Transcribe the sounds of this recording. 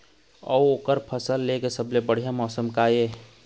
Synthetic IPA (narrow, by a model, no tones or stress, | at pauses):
ɔ̰woːkəɾpʰəsəlːekesəblebəɽ̤ijamɔːsəmkaːje